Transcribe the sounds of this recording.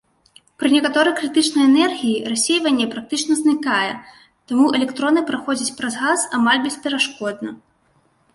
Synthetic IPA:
pɾɨnʲɛkat̪ɔɾɨjkɾɨt̪ɨt͡ʂnɐjɛnɛrɣʲijirasʲejvɐnʲːɛpɾak̚t̪ɨt͡ʂnɐznɨkajɛ | t̪amuʔɛlʲɛkt̪ɾɔnɨpɾaxɔd͡zʲɐt͡sʲpɾɐzɣasamalʲbʲɛsʲpʲɛɾaʂkɔd̪nɐ

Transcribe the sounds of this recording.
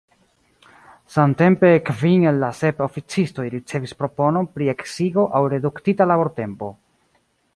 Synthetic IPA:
samte̞mpe̞kviŋelːase̞po̞fit͡sisto̞jɾit͡se̞vispɾo̞po̞no̞npɾie̞ksiɡo̞ʔawɾe̞duktitalabo̞ɾte̞mpo̞

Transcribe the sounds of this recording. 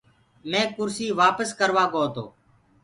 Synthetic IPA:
mẽːkʊɾsiːʋaːpəskəɾʋaːkoːt̪o̰ː

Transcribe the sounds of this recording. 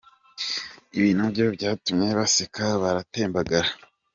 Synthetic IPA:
iβiːnubɟo̞bɟaːtumɲe̞βasekaβaɾate̞ːmbaɡaɾa

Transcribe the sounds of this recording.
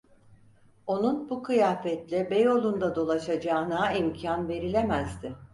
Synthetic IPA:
o̞nunbukʰɯjaːfɛt̪lʲɛbejo̞lˠund̪ad̪o̞lˠaʃad͡ʒaːnaimcʰanve̞ɾilʲemæzd̪ɪ

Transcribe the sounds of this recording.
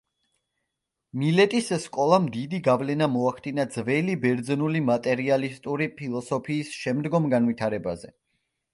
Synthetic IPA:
milɛt̪ʼisskʼɔlˠamd̪id̪iɡavlɛnamɔaχd̪ʼinad̪zvɛlibɛɾd̪znulimat̪ʼɛɾialist̪ʼuɾipʰilˠɔsɔpʰiːsʃɛmd̪ɡɔmɡanvit̪ʰaɾɛbazɛ

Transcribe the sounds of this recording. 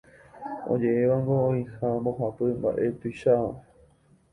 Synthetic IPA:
o̰d͡ʒe̞eʋaŋɡooihamboɦapɨmba̰ʔe̞t̪ujʃaa

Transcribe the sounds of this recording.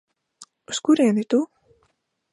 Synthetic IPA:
uskuɾʲeːnit̪u

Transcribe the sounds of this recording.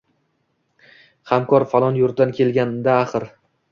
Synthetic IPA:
hamkʰɒɾfalˠɒnjʊɾ̚d̪ankʲʰe̞lˠɡʲand̪aːχɨɾ

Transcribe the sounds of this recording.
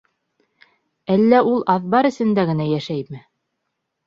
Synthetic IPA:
ælːæulˠʔɑðbɑɾɘ̆sɘ̆nd̪æɡɘ̆næjæʃæjmɘ

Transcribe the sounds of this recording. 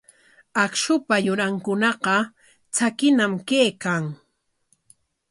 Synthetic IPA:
akʃʊpajʊɾaŋkʊnɑqɑ | t͡sakɪnamkeːkaŋ

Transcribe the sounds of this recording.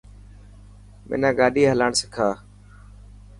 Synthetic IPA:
mɪ̰nãːɡaːɗiːɦəlaːɳsɪkʰaː

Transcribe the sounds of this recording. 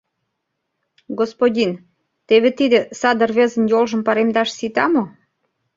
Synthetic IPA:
ɡospodʲin | t̪eβet̪id̪ĕsɑd̪ərβezə̆njolʒə̆mpɑɾemd̪ɑʃsit̪ɑmo

